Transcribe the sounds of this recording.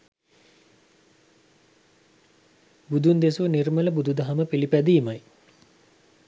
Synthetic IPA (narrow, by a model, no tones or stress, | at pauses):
bud̪und̪esunirmələbud̪ud̪ɐɦaməpilipæd̪iːmaj